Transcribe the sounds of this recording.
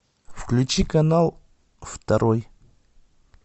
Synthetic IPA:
fklʲʉt͡ɕikɐnalˠ | ft̪ɐɾʔoj

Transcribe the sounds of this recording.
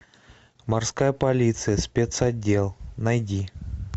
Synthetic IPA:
mɐrskajəpɐlʲit̪sɨjəsʲpʲet̪sɐdʲːe̞lˠnɐjdʲi

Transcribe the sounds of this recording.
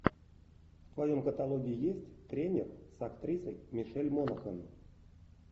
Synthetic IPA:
ft̪vajomkət̪alˠoɡʲɪijesʲtʲt̪ɾʲenʲersakt̪ɾʲisəjmʲiʂɛlʲmonaxən

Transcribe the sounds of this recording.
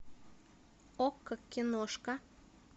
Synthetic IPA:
okːɤkʲːinoʃkɑ

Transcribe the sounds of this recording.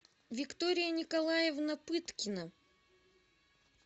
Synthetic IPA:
vʲɪkt̪oɾʲɪjənʲɪkɐlˠajɛvnɐpɨt̪kʲɪnə

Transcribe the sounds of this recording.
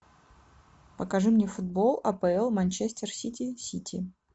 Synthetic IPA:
pəkɐʐɨmnʲefʊd̪̚bolˠɐpəɛlˠmɐnʲt͡ɕesʲt̪ʲɪrsʲitʲisʲitʲʰḭ

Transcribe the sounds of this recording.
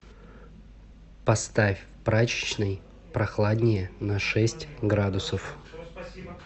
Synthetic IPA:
pɐst̪afʲ | pɾat͡ɕɪ̥t͡ɕnɨj | pɾɐxlˠad̪ʲnʲɪjənɐʂɛsʲtʲɡɾad̪ʊsəf

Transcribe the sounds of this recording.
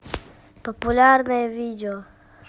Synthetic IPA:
populʲaɾnaɛvid̪eo

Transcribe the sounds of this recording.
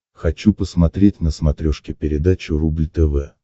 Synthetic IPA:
xɐt͡ɕupəsmɐt̪ɾʲetʲnəsmɐt̪ɾʲoʂkʲɪpʲɪɾʲɪd̪at͡ɕʊrublʲt̪ɛvɛ

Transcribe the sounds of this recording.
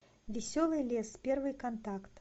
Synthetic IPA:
vʲɛsʲɔlˠɨjlʲɛspʲɛrvɨjkant̪akt̪

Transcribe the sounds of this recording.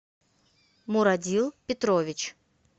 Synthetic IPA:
mʊɾɐdʲilˠpʲɪt̪ɾovʲɪt͡ɕ

